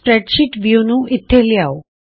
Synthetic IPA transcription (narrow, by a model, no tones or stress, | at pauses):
pɾɛʈʃɪʈʋjunũːɪt̪ʰːeliaːo